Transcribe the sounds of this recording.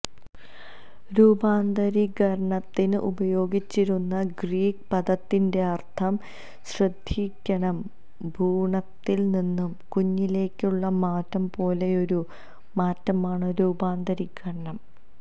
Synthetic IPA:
ɾuːbaːnd̪ɐɾiɡɐɾɐɳɐt̪ːinɨʔṵbɐjo̞ːɡit͡ɕːiɾunːɐɡriːk̚pɐd̪ɐt̪ːinde̞ɐrt̪ʰɐm | ɕrɨd̪ʱːiːkʲːɐɳɐm | bʱuːɳɐt̪ːilninːumkuɲːile̞ːkʲːuɭːɐmaːtːɐmpo̞ːle̞o̞ɾu | maːtːɐmaːɳɨɾuːbaːnd̪ɐɾiɡɐɾɐɳɐm

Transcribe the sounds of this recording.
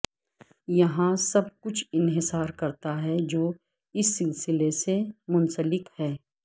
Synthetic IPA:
jɐɦãsɐb̚kʊt͡ʃʰɪnɦɪsaːɾkɐɾt̪aɦɛd͡ʒoː | ɪsːɪlsɪlesemʊ̃nsəlɪkhɛː

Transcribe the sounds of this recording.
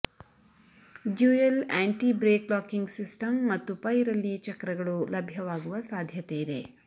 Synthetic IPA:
ɖjuːelaːɳʈibɾeːklaːkiŋɡsisʈɐmːɐt̪ːupɐjɾɐlːit͡ʃɐkɾɐɡɐɭulɐbʱjɐʋaːɡuʋɐsaːd̪ʱjɐt̪eid̪e̞

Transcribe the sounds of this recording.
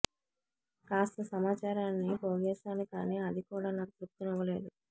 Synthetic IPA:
kaːst̪ɐsɐmaːt͡ʃaːɾaːnːiboːɡɛːsaːnikaːniːɐd̪ikuːɽaːnakut̪ɾup̚t̪unɔʋɐle̞ːd̪u

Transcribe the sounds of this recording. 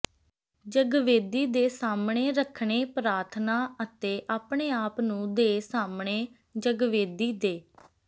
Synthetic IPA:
d͡ʒəɡʋeːd̪iːd̪eːsaːmɳeːɾəkʰɳeːpɾaːɾt̪ʰnaːət̪eːʔaːpɳeːaːpnũːd̪eːsaːmɳeː | d͡ʒəɡʋeːd̪iːd̪eː

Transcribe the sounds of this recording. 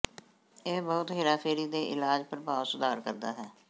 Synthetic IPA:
eːbɔːʊt̪ɦɪɾaːpʰeːɾiːd̪eːʔɪlaːd͡ʒpəɾəbaːʋsʊd̪ʱaːɾkəɾd̪aːɦɛː

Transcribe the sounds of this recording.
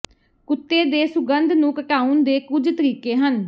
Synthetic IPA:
kʊt̪ːeːd̪eːsʊɡənd̪nũːkəʈaːund̪eːkʊd͡ʒt̪əɾiːkeːɦən

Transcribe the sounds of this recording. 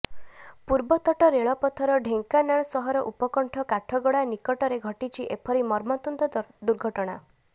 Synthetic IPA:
puɾbɔt̪ɔʈɔɾeɭɔpɔt̪ʰɔɾɔɖʱeŋkanaɽ̃ɔsɔɦɔɾɔʔupɔkɔɳʈʰɔkaʈʰɔɡɔɽanikɔʈɔɾeɡʱɔʈit͡ʃʰiʔepʰɔɾimɔɾmɔt̪und̪ɔd̪uɾɡʱɔʈɔɽ̃a̰

